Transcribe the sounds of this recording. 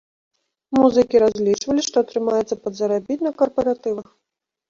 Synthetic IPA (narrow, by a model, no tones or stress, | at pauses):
muzɨkʲiɾazʲlʲit͡ʂvɐlʲiʂt̪ɔɐt̪ɾɨmajɛt̪sːɐpɐd̪zɐɾabʲit̪ʲnɐkɐrpɐɾat̪ɨvɐx